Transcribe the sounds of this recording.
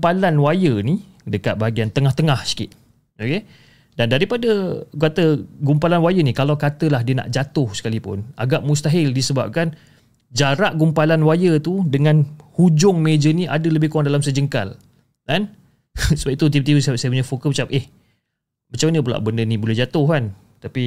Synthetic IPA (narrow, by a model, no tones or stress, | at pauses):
palanwajəni | dəkat̪̚baɦaɡiant̪əŋaht̪əŋahsi̥kɪ̰t̪̚ | oke | dandaɾipadəɡat̪əɡumpalanwajənikalawkat̪əlahdiəna̰ʔd͡ʒat̪ʊhsə̥kalipʊ̰na̰ɡaʔmus̬t̪aɦɪldisəba̰p̚kan | d͡ʒaɾaʔɡumpalanwajət̪udəŋãnhud͡ʒʊŋmed͡ʒəniʔadələbɪhkuɾaŋdalamsəd͡ʒəŋka̰l | dan | səbait̪ut̪̬imt̪̬iussajəp̬uɲafokəmət͡ʃap̚ʔeh | mat͡ʃamanəp̬ula̰ʔbəndənibulɛhd͡ʒat̪ʊhkan | t̪api